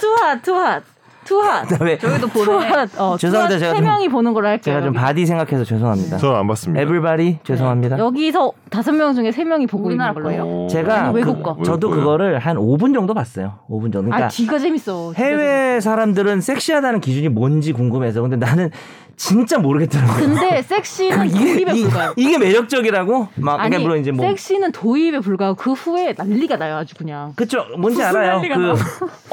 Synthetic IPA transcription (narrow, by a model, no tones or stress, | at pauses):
tʰuatʰua | tʰuaaweɡidopat͡ɕesʰoŋat͡ɕeɡaemjʌŋiponɯnɡʌɾɯɭaɭk͈e̞ɡat͡ɕompadis̬ʰe̞ŋɡakʰe̞sʰʌt͡ɕesʰoŋɦamɲida̰ʌanbas͈ɯmɲebɾibaɾit͡ɕwesʰoŋɦamɲidaʌɡisʰʌtasʰʌnmjʌŋd͡ʑuŋe̞sʰemjʌŋipoɡonaʌejot͡ɕe̞ɡaekuk͈ʌt͡ɕʌdokɯɡʌɾɯɭhanobɯnd͡ʑʌŋdopas͈ʌjoobund͡ʑʌŋkoika̰iɡat͡ɕemis͈ʌhe̞we̞s̬ʰaɾamdɯɾɯns͈ʰe̞k̚ɕ͈iɦadanɯnkid͡ʑuɲimwʌnd͡ʑikuŋɡɯmɦe̞s̬ʰʌkɯnde̞nanɯn | t͡ɕint͡ɕ͈amoɾɯɡet͈̚aɾaɡoɯnde̞s͈ek̚ɕ͈iɯnɡeuɡaoiɡe̞me̞ɾʌk̚t͡ɕ͈ʌɡiɾaɡomakaemuɭːonid͡ʑe̞mosek̚ɕ͈inɯntʰoibe̞puɭɡaɡokɯɸue̞naʎːiɡanajoad͡ʑukuɲaŋkɯt͡ɕʰomʌnd͡ʑiaɾajjokɯ